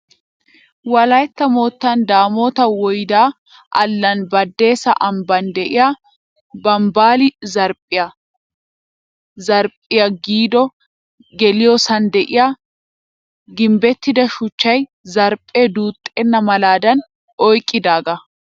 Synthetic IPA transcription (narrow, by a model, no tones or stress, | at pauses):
wɐlɐjt̪ːɐmo̞ːt̪ːɐnd̪aːmo̞ːt̪ɐwɔjd̪aː | ʔɐlːɐnbɐd̪ːe̞ːsɐʔɐmbɐnd̪ɛʔɪja | bɐmbaːlɪzɐɾpʼːɪjɐ | zɐɾpʼːɪjɐɡiːd̪ɔ | ɡɛlɪjɔsɐnd̪ɛʔɪja | ɡɪmbɛt̪ːɪd̪ɐʃʊt͡ʃːɐj | zɐɾpʼːeːd̪uːt̪ʼːenːɐmɐlaːd̪ɐn | ɔjkʼːɪd̪aːɡɐ